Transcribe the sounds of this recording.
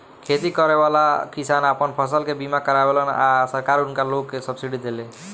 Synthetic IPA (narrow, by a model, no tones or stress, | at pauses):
kʰet̪ikɔɾebalakisanapənpʰəs̬əlkebimakəɾabeləna̰səɾkaɾunkalokːesəbsiɖid̪ele